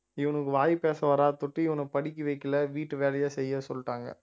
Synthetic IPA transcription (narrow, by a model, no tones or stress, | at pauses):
ɪʋɐnɯkːɯʋaːjipeːsɐʋɐːɾaːt̪ʊʈːiɪʋɐnɐpɐɽɪk̬ʲːɯʋɐɪkːɪlɐʋiːʈːɯʋeːlɐjaːsɛjːɐsɔlːʈːaːŋɡɐ̰